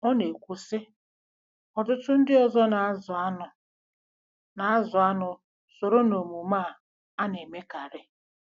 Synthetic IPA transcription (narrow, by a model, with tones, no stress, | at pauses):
ɔ˦ne˨kʷu˨sɪ˦ | ɔ˨tʊ˦tʊ˦n̩˦dɪ˦ɔ˨zɔ˦na˨˦za˦nʊ˨ | na˨a˦zʊ˨a˦nʊ˨ | so˨ɾo˦no˨mu˨maː˦˨ | a˦ne˨me˦ka˨ɾɪ˦